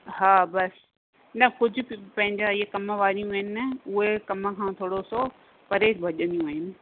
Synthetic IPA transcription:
ɦaːbɐs | nɐkʊd͡ʑʱʊ̆pɐ̃ɦɪ̃ɲd͡ʑaɪɦekɐməʋaːɾijũɦɪnɪ̆ɛʊɦekɐməkʰãːt̪ʰoːɽoso | pɐɾeːbʱɐʄə̃nd̪ijũɦɪnɪ̆

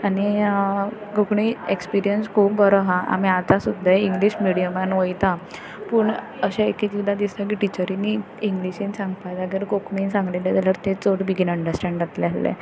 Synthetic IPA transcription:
añi | ɡokɳiekspiɾijənskʰuːpbəɾɔɦaʔa̰miat̪asud̪ʱːaiŋɡliɕmiɽijəmanʋəjt̪a | puːɳ | əɕãek̪it͡ɕud̪ʱad̪ist̪ak̬iʈit͡ɕəɾini | iŋɡliɕensãŋɡpajd͡zaɡeɾɡokɳinsãŋɡlelad͡z̪aləɾt̪et͡soɽbiɡinəɳɖəɾsʈɛ̃ɳɖat̪lealːḛ

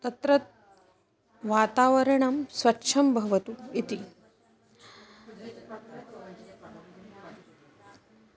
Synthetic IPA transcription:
t̪ɐt̪ɾɐt̪̚ | ʋaːt̪aːʋɐɾɐɳɐmsʋɐtːʃʰɐmbʱɐʋɐt̪uit̪i

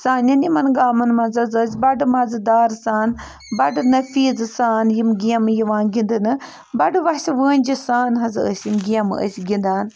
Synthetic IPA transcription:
saːnɐnjimɐnɡaːmɐnmɐnzɐzəːs̬ʲbɐɖɨmɐzɨd̪aːɾsaːn | bɐɖɨnɐfiːzɨsaːnjimɡiɐmjiʋãːnɡind̪ɨnɨ | bɐɖɨʋɐsʲiʋəːnʲd͡ʒisaːnɦɐzə̰sʲjimɡiɐmɨə̰sʲɡʲind̪aːn

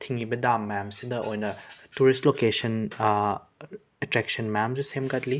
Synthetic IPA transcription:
tʰiŋibɐdamːajamsidɐʔojnɐtuɾistlokesɐn | etɾɛksɐnmajamd͡ʒusemɡatli

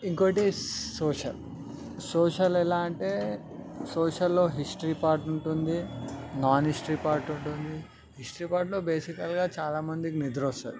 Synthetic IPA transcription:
iŋkoːʈisoːʃɐl | soːʃɐlɛlaːɐɳʈe̞ː | soːʃɐlːo̞ːɦisʈɐɾipaːɾʈuɳʈund̪inaːnɦisʈɐɾiːpaːɾʈuɳʈund̪i | hisʈɐɾiːpaːɾʈlo̞ːbeːsikɐlɡaːt͡ʃaːlaːmɐnd̪ikinid̪ɾoːst̪ɐ̰ːd̪i

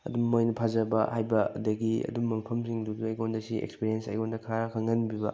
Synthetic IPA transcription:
ɐ̰dummojnɐpʰazɐbɐhajbɐɐ̰dɐɡiɐ̰dumːɐmɐpʰɐmsiŋduduɐjɡondɐsiḛkspiɾiensɐ̰jɡondɐkʰaɾɐkʰɐŋɐnbibɐ̰

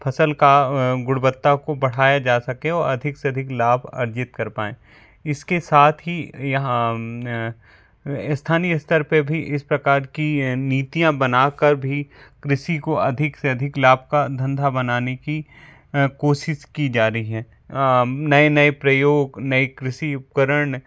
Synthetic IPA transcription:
pʰɐsəlkaɡʊɽbət̪ːakobɐɽ̤aːjad͡ʒaːsɐkẽɔːɾɐd̪ʱɪkseɐd̪ʱɪklaːbʱɐ̰ɾd͡ʒɪt̪kɐɾpaːẽː | ɪskesaːt̪ʰɦijɦa | ɪst̪ʰaːniɪst̪əɾpebʱiʔɪspɾɐkaːɾkiniːt̪ijãbɐnaːkɐɾbʱikɾɪʃikoʔɐd̪ʱɪkseɐd̪ʱɪklaːb̚ʱkad̪ʱɐ̃nd̪ʱabɐnaːneki | koːʃɪʃkid͡ʒaːɾəɦiɦɛ̃ː | nɐenɐepɾɐjoːɡnɐikɾɪʃiʊp̚kəɾəɳ̃

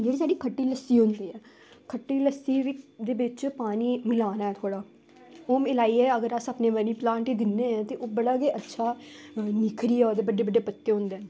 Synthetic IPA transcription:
d͡ʒeːɽiːsaːɖiːkʰəʈːiːləsːiːɦʊ̃nd̪iːɛː | kʰəʈːiːləsiːd̪eːʋɪt͡ʃpaːniːmɪlaːnaːɛːt̪ʰoːɽaː | oːmeːlaːiːɛːəɡəɾəsaːpneːʋəniːplãːɳʈiːd̪ɪnːeːɛ̃ːt̪eːʔoːbəɽaːɡeːʔətːʃʰaːniːkʰɾiːɛːoːd̪eːbəɖeːbəɖːeːpət̪ːeːɦʊ̃nd̪eː

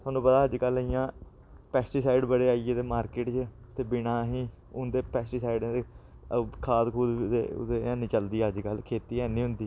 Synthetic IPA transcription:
t̪ʰʊaːnːũːpəd̪aːəd͡ʒkəlːɪjãː | pɛːsʈiːsaːɪɖbəɽeːaːieːt̪eːmaːɾkeːʈt͡ʃ | t̪eːbɪnaːɦĩː | ʊnd̪eːpɛːsʈiːsaːɪɖt̪e | kʰaːd̪kʰuːd̪ḛːʊ̰d̪ẽːnɪ̃t͡ʃəld̪iːəd͡ʒkəlkʰeːt̪iːɛːnĩːɦʊnd̪iː

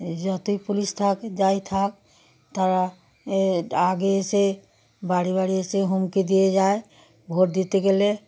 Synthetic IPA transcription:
d͡ʒɔt̪uipulist̪ʰakd͡ʒait̪ʰak̚ | t̪aɾa | aɡese | baɽibaɽieseɦumked̪ijed͡ʒae | bʱoɾd̪it̪eɡele

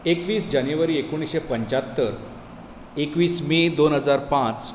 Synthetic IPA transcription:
ekʋiːsd͡ʑanjuʋəɾiːekoɽ̃isɕepəɲt͡ɕat̪ːəɾ | ekʋiːsmed̪onɦəd͡zaɾpãt͡s

